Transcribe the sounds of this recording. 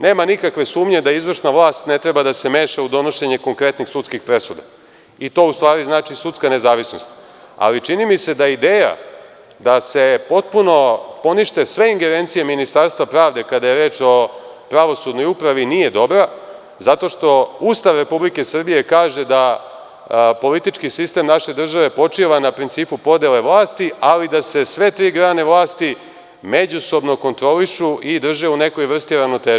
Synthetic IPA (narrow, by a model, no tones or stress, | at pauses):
neːmanikakʋe̞suːmɲe̞d̪aizʋr̩ʃnaʋlˠaːst̪net̪ɾe̞bad̪ase̞me̞ːʃaud̪o̞no̞ʃe̞ɲe̞ko̞ŋkɾe̞t̪nixsut̪skixpɾe̞sud̪a̰ | it̪o̞ust̪ʋaːɾiznaːt͡ʃisut̪skane̞zaːʋisno̞̰st̪ | a̰lit͡ʃinimise̞d̪aid̪eːja̰ | d̪ase̞po̞t̪̚puno̞po̞niʃt̪e̞sʋe̞iŋɡeɾeːnt̪sije̞minist̪aɾst̪ʋapɾaːʋd̪e̞kad̪aje̞ɾe̞ːt͡ʃo̞pɾaʋo̞sud̪no̞jupɾaʋinije̞d̪o̞bɾa | zat̪o̞ʃt̪o̞uːst̪aʋɾe̞publike̞sr̩bije̞kaːʒe̞d̪a | po̞lit̪it͡ʃkisist̪e̞mnaʃe̞d̪r̩ʒaʋe̞po̞t͡ʂiʋanapɾint̪siːpupo̞d̪ele̞ʋlˠaːst̪ialid̪ase̞sʋe̞t̪ɾiːɡɾaːne̞ʋlˠaːst̪i | me̞d͡ʑuso̞bno̞ko̞nt̪ɾo̞liʃuʔid̪r̩ʒeune̞ko̞jʋr̩st̪ioɾaʋno̞t̪eːʒ